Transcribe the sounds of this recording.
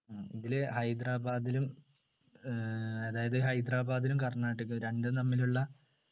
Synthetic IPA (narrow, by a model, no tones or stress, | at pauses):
aːiðilehɐjd̪raːbaːd̪ilum | eðaːjɐðɨɦɐjd̪raːbaːd̪ilumkɐrɳaːʈːɨkːɨɾe̞ɳɖɨnɐmːiluɭːɐ